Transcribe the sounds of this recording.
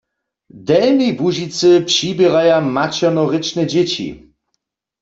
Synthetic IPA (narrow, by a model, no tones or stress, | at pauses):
d̪ɛlnijbuʑit̪sɨpʂibʲjɛɾajamat͡ɕɔnɔʁɪt͡ʃnɛd͡ʑet͡ɕḭ